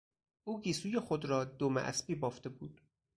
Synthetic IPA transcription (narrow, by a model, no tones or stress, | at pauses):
ʔuːɡiːsuːjexod̪ɾɒːd̪omæ̰ʔæ̰sbiːbɒːft̪e̞buːd̪̥